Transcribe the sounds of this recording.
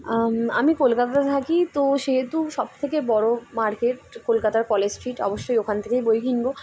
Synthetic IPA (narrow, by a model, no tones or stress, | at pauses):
a̰mikolkat̪at̪et̪ʰakit̪oʃeɦet̪uʃɔb̚t̪ʰekebɔɽomaɾkeʈkolkat̪aɾkɔled͡ʑsʈɾiʈɔ̰boʃːojokʰant̪ʰekejbojkʰinbo